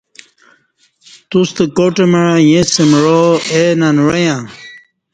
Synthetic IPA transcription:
t̪ust̪ekoʈemeɻajẽsemɻoenanɻɐjã

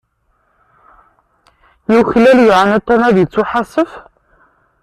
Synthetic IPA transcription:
jiwçlæljʕanæt̪ːɑnæðjət͡sːuħasˤəf

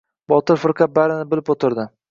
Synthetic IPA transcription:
bɒt̪ɪɾfɪɾqʰɑt̪̚baɾɪnɪbɪlɪpot̪ʰɪɾd̪ɪ

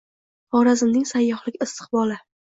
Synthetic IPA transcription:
χɒɾazɪmnɪŋsajːɒχlˠɪɡʲɪst̪ʰɨ̥qbɒlɪ

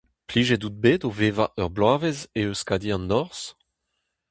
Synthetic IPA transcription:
pliːʒedut̪̚bedoveːvaʔœʁblaːvezeøskad̪iɑ̃nːɔʁs

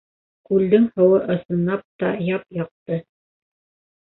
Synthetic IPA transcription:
kʉld̪ɘŋhɤ̆wɤʔɤ̆sɤ̆nːɑp̚t̪ɑjɑp̚jɑq̚t̪ɤ

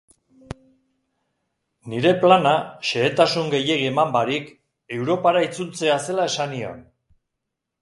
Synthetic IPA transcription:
niɾe̞planaʃe̞ːt̪asuŋɡe̞je̞ɣiemambaɾik | e̞wɾo̞paɾait͡sult͡se̞ase̞lae̞sanio̞̰n

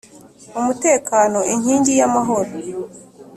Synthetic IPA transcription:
umute̞ːkaːno̞iɲ̥hiːɲɟijamaɦo̞ɾo

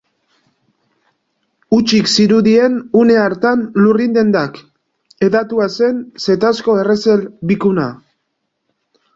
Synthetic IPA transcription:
ut͡ʃiksiɾuðie̞nune̞aɾt̪anlurind̪e̞nd̪ak | e̞ðat̪uase̞nse̞t̪asko̞e̞re̞selbikuna̰

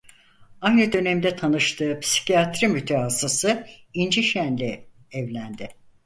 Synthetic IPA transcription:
ajnɯd̪ø̞nɛmd̪ɛt̪ʰanɯʃt̪ʰɯːpsi̥cijat̪ɾimyt̪ʰɛɦasasɯind͡ʒiʃænlʲɛ | ɛvlʲænd̪ɪ

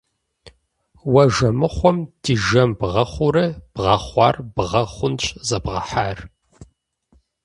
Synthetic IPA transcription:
wɐʒɐmɨχʷɔmdiʒɐmbʁɐχʷʊrɨb̥ʁɐχʷɑ̰ːrbʁɐχʷʊnt͡ʃʼzɐbʁɐ̰ħaːr

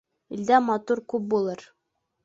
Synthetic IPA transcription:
ild̪æmɑt̪uɾkʉp̚bulˠɤɾ

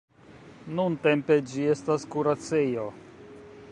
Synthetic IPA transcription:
nunte̞mpe̞d͡ʒie̞staskuɾat͡sejo̞

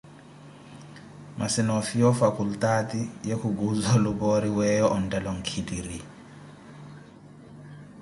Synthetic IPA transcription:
mʔasinɔfijɔfakʰultatijekʰuɡuzalubɔɾiwɛjɔʔɔntʼɛlɔŋ̩kʰidiri

